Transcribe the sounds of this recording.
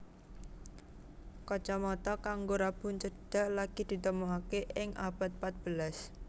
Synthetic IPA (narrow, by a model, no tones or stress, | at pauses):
kɔt͡ʃɔmɔt̪ɔkaŋɡoɾab̥ʊ̤nt͡ʃəɖ̥a̤ʔlaɡ̥id̪̥i̤t̪əmuɦakeʔɪŋʔa̰b̥a̤t̪̚pat̪̚b̥ə̤las